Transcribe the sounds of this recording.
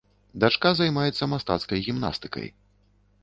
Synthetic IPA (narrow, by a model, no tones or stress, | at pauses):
d̪at͡ʂkazajmajɛt̪sːɐmast̪a̰t̪skɐjɣʲimna̰st̪ɨ̥kɐ̰j